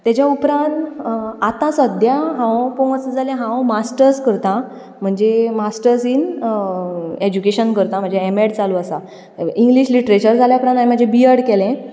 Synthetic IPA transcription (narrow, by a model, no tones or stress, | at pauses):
t̪jad͡ʑjaupɾãnt̪at̪ãsəd̪ʱjaɦãwpuəsəd͡zalẽɦãwmasʈəɾskəɾt̪ã | m̤əɳd͡zemasʈəɾsiːn | ed͡ʑukeɕənkəɾt̪am̤əɳd͡zeemeɽt͡saluasa | ĩŋɡliɕliʈɾet͡ɕəɾd͡zʱaljapɾãnanim̤əɳd͡zebiəɽkɛlẽ